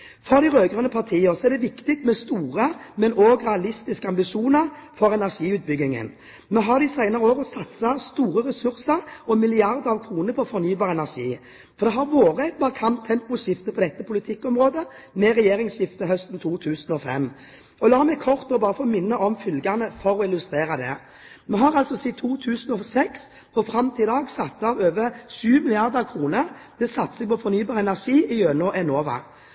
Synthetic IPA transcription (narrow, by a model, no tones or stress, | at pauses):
fɔɾd̪ɪɾøːɡʁənəpʰɑʁt̪ʰiːəʁsɔɛʁd̪ɛʋɪkt̪ɪk̚t̪mɛst̪uːʁəmɛnoːɡʁɛɑlɪst̪ɪskəɑmbɪʂuːnəɾfɔɾɛnæʁʂiːʉːt̪̚bʏɡːɪŋə̰n | mɛɦɑʁd̪ɪsæɪnəʁəoːɡəsɑt̪sɑst̪uːʁəʁɛsʉɾsəɾɔmɪlɪɑʁd̪əɾɑʋkʰɾuːnəɾpʰɔfɔɾnyːbɑːʁɛnæʁʂiː | fɔɾd̪ɛɦɑɾʋoːʁəæɪt̪̚bɑːɾəkʰɑmt̪ʰɛmpʊsjɪft̪əpʰɔd̪ɛt̪ːəpʰʊlɪt̪ʰɪkːɔmʁoːd̪ə | mɛʁɛjeːɾɪŋsjɪft̪əɦœst̪n̩t̪ʰuːt̪ʰʉːsn̩ɔfɛ̰m | ɔlɑːmɛɡkʰɔʁt̪ɔbɑːɾəfoːmɪnːəʔɔmfʏlɡɑnəfɔɾɔɪlʉst̪ʁeːɾɑd̪ɛ̰ | mɛɦɑɾɑlsɔsit̪ʰuːt̪ʰʉːsn̩ɔsɛks | pʰɔfɾɑmt̪ʰɪd̪ɑːɡsɑt̪ːɑʋøːʋəʃʉːmɪlɪɑʁd̪əɑʋkʰʁuːnəʁd̪̥ɛsɑt̪ːsɛɡ̚pɔfɔnyːbɑːʁɛnæʁʂiːʔɪøːnɔʔɛnoːʋɑ̰